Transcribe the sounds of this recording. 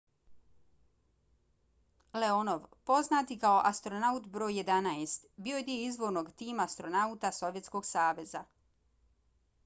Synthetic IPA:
le̞ono̞ʋpo̞znaːt̪ikao̞ʔast̪ɾo̞naut̪bɾoːjːe̞d̪anaest̪bijoed̪ieizʋo̞ɾno̞ɡt̪iːmaːst̪ɾonaut̪aso̞ʋjet̪sko̞ɡsaːʋe̞za

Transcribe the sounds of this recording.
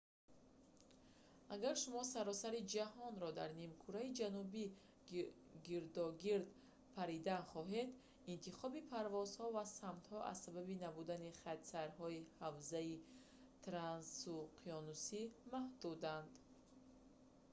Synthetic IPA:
aɡaɾʃumɔsaɾɔsaɾid͡ʒaɦɔnɾɔd̪aɾnimkʰuɾaid͡ʒanubi | ɡiɾd̪ɔɡiɾd̪ | pʰaɾid̪anχɔɦed̪ | int̪ʰiχɔbipʰaɾvɔzhɔvasamt̪hɔʔa̰zsababinabud̪aniχat̪saɾɦɔihavzai | t̪ʰɾansuqʰiɔnusimahd̪ud̪and̪

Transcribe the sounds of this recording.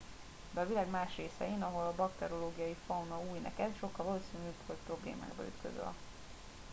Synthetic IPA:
bɛvilaːɡmaːʃreːsɛ̰jeːnɒɦo̞lɒbɒkt̪ɛɾoloːɡijɒjifɒwnɒuːjnɛ̰kɛt̪ʃo̞kːɒlvɒloːsinyːpvolt̪pro̞blḛːma̰ːɡbɒ̰y̰t̪kø̰zø̰ɒ̰

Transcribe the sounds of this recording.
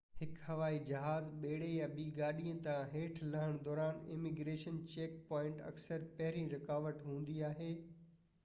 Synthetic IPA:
hɪkhɐʋaːid͡ʑɐɦaːzɓeːɽejãɓiːɡaːɗiə̃t̪ãɦeːʈʰlɐɦɪɽ̃d̪ɔːɾaːnɪ̰mɪɡɾeːʃənt͡ɕeːk̚pɔːɪ̃ɳʈɐ̰ksəɾpɐɦɪɾĩɾɐkaːʋəʈɦũːn̆d̪iaːɦeː

